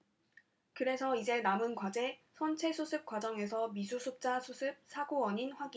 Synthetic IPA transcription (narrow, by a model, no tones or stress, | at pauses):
kɯɾe̞sʰʌid͡ʑe̞namɯnkwad͡ʑe̞sʰʌnt͡ɕʰe̞sʰusʰɯp̚k͈wad͡ʑʌŋe̞sʰʌmisʰusʰuk̚t͡ɕ͈asʰusʰɯp̚sʰaɡoʌɲinɸwaɡi